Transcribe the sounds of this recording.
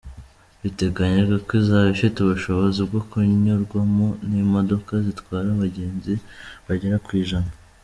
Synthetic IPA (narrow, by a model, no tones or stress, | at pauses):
βite̞ɡaɲeɡakwizaːβifituβuʃo̞βo̞zibɡokuɲoɾɡwamonimo̞do̞kazitwaːɾaβaɟe̞ːnziβaɟeɾakwiːʒana